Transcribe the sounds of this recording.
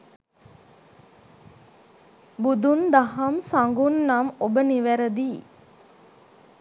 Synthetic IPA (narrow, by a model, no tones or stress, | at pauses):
bud̪und̪aɦamsaŋɡunːamobəniʋæɾəd̪iː